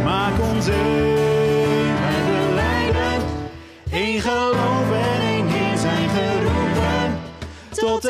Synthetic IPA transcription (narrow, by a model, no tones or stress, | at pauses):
maːkɔnse | mɛdəlɛjɾə | enχəlowvənenɦizɛjnχərupən | tɔt